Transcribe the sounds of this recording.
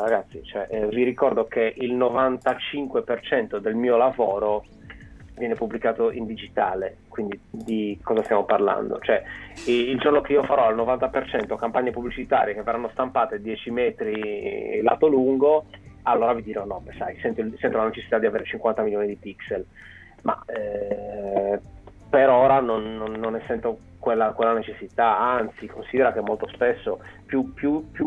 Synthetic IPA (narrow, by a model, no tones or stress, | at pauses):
ɾaɡat̪sːit͡ʃoɛʔviɾikɔrd̪okeʔilnovant̪at͡ʃiŋkwepert͡ʃɛnt̪od̪elmiːolavɔːɾo | vjɛːnepubːlikaːt̪oʔind̪id͡ʒit̪aːlekwind̪id̪ikʰɔːzast̪jamoparla̰nd̪o̰t͡ʃoɛild͡ʒornokeiːofaɾɔalnovant̪apert͡ʃɛnt̪okampaɲːepublit͡ʃit̪a̰ːɾijekeveɾranːost̪ampaːt̪ed̪jɛːt͡ʃimɛːt̪ɾila̰ːt̪oluŋɡoalːoːɾavid̪iːɾonɔpesajsɛnt̪oisɛnt̪olanet͡ʃesːi̥t̪ad̪iaveːɾet͡ʃiŋkwant̪amiljoːnid̪ipiksel | ma̰ɛ | peɾoːɾanonːonːonɛsːɛnt̪o | kwelːakwelːanet͡ʃesːit̪aant̪sikʰonsiːd̪eɾakemːolt̪ospesːopjupjupju